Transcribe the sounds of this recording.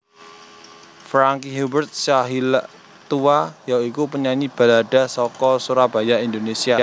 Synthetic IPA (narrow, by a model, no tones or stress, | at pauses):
fɾaŋkiɦubərt̪̚saɦilʔ | t̪uajaikupəɲaɲib̥a̤laɖ̥a̤sɔkɔsuɾab̥a̤jaind̪onesia